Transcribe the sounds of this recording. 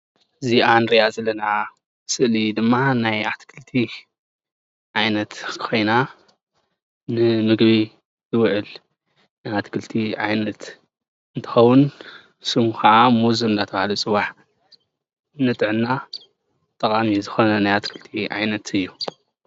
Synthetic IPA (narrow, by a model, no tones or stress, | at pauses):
ʔɨziʔanɾiazɐlːɐna | sɨʔlid̪ɨmːanajat̪kʰɨlt̪ʰi | ʕajnɐt̪kʰɨ̥xʰo̞jna | nɨmɨɡβi | zɨwʕɨl | najat̪kʰɨlt̪ʰiʕajnɐt̪ | ɨnt̪ʰɨ̥xɐwʊn | sɨmxɐʕamuzɨmɨnd̪at̪ʰɐβahalusʼɨwaħ | nɨt̪ʼɨʕɨnːa | t̪ʼɐkʼamizɨxonɐnajat̪kʰɨlt̪ʰiʕa̰jnɐt̪ʰɨjːu